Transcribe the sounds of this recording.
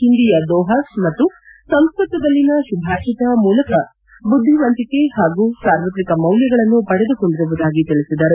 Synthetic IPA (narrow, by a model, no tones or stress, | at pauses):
hind̪ijɐd̪ɔːɦɐsmɐt̪ːusɐŋskɐt̪ːɐd̪ɐlːinɐʃubʱaːʃɐd̪ɐmuːlɐkɐ | bud̪ʱːiʋɐnt̪ike̞haːɡuːsaːɾʋɐt̪ɾikɐmɐwljɐɡɐɭɐnːupɐɽed̪uko̞ɳɖiɾuʋud̪aːɡit̪iɭisid̪ɐɾu